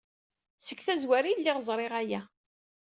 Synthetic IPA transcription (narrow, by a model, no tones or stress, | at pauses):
səkθæzwæɾilːɪʁzˤɾˤɪʁæjæ